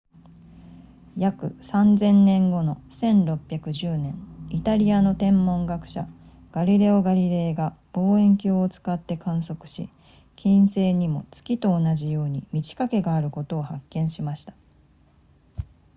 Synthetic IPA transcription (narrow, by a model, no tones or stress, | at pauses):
jakɯ̟̰sãnzẽ̞nːẽ̞ŋɡo̞no̞sẽ̞nɾo̞pʲːjakɯ̟ʑɨːnẽ̞ɴit̪aɾʲiano̞t̪ẽ̞mːõ̞ŋɡakɯ̟̥ɕa | ɡ̥aɾʲiɾe̞oɡaɾʲiɾe̞ːɡab̥o̞ːẽ̞ŋkʲoːt͡sɨ̥kat̪ːe̞kʰãɰ̃so̞kɯ̟̥ɕḭ | kʲĩñse̞ːɲ̟imo̞̰t͡sɨ̥kʲit̪o̞ːnaʑijo̞ːɲ̟imʲit͡ɕi̥kake̞ɡaːɾɯ̟ko̞t̪o̞ːhakːẽ̞ɰ̃ɕimaɕi̥t̪ḁ